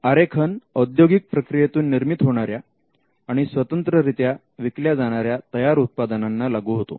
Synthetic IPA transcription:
aɾekʰənəd̪joɡik̚pɾəkɾijet̪uːnːiɾmit̪ɦoɽ̃aɾja | aɽ̃isʋət̪ənt̪ɾəɾit̪ja | ʋikljad͡zaɽ̃aɾjat̪əjaɾut̪̚pad̪ənanːalaɡuːɦot̪o̰

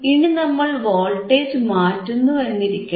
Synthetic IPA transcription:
inɨnɐmːɐɭʋoːɭʈːeːd͡ʑmaːtːunːuʋenːiɾikʲːu

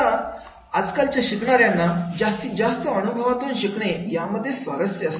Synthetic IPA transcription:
a | ad͡zkalt͡ɕjaɕikɳaɾjanːad͡ʑast̪id͡zast̪əənubʱəʋat̪uːnɕikɳ̃ejaməd̪ʱːjesʋəɾəsɾiəst̪

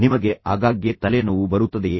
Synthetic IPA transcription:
nimɐɡe̞ʔaːɡaːɡjet̪ɐlenɐʋubɐɾut̪ːɐd̪e

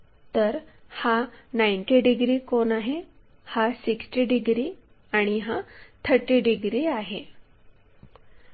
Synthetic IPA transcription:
t̪əɾhanajɳʈiɖiɡɾiːkonaɦe | hasiksʈiɖiɡɾi | aɽ̃iɦat̪ʰəɾʈiɖiɡɾiaɦe

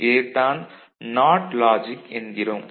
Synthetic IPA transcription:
eːʈaːn | naːʈlaːd͡ʒikend̪iɾɐm

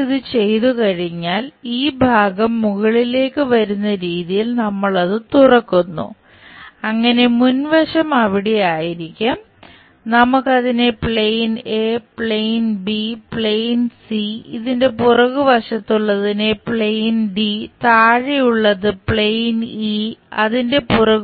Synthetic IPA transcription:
iðɨt͡ɕe̞jt̪ukɐɻiɲːaːliːbʱaːɡɐmːuɣɐɭile̞ːkːɨʋɐɾunːɐɾiːðijilnɐmːɐɭɐðɨt̪urɐkːunːṵ | ɐŋːɐne̞munʋɐʂɐmɐʋiɽejaːjiɾikʲːum | nɐmukːɐðinepɭejnepɭejnbipɭejnsiḭðinde̞purɐɣɨʋɐʂɐt̪ːuɭːɐðinepɭejnɖit̪aːɻijuɭːɐðɨpɭejniɐ̰ðinde̞purɐɣ

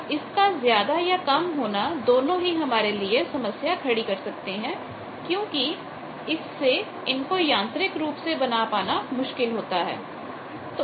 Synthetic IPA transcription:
ɪskazjaːd̪ajakɐmɦoːnad̪oːnõɦiɦɐmaːɾeliesɐməsjakʰɐɽikɐɾsɐk̚t̪eɦɛ̃ː | kjõːki | ɪsːe | ɪnkojãːnt̪ɾɪkɾuːpsebɐnapaːnamʊʃkɪlɦoːt̪aɦɛ̰ː | t̪o

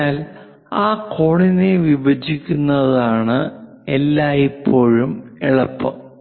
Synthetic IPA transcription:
aːl | aːkʰo̞ːɳineʋibɐd͡ʑikʲːunːɐðaːɳɨ | elːaːjipʰːo̞ːɻumeɭɐpːɐ

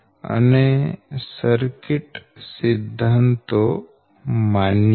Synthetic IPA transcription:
ə̰nesəɾkɪʈsɪd̪ʱːant̪o | man

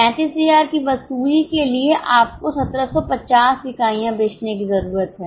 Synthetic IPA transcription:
pɛ̃ːt͡ʃɪsijaːɾkiʋɐsuːlikelieʔaːp̚kosɐt̪ɾəsɔpɐt͡ʃaːsʋɪkaːijãbeːt͡ʃnek̬izɐɾuːɾət̪ɦɛː

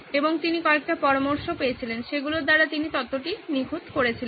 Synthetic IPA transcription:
eboŋt̪inikɔek̚ʈapɔɾomoɾʃopeet͡ɕʰilenʃeɡuloɾd̪aɾat̪init̪ɔt̪ːoʈiniɡʱot̪koɾet͡ɕʰilen

